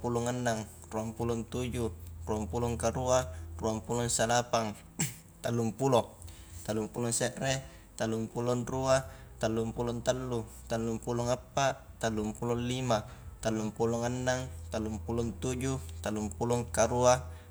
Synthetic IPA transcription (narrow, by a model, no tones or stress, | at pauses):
pulɔŋanːaŋ | ruampulɔnt̪ud͡ʒuruampulɔŋkaɾuaruampulɔŋsalapaŋ | t̪alːumpulɔ | t̪alːumpulɔŋseʔɾe | t̪alːumpulɔnruat̪alːumpulɔnt̪alːut̪alːumpulɔŋapːaʔt̪alːumpulɔnlimat̪alːumpulɔŋanːaŋt̪alːumpulɔnt̪ud͡ʒut̪alːumpulɔŋkaɾua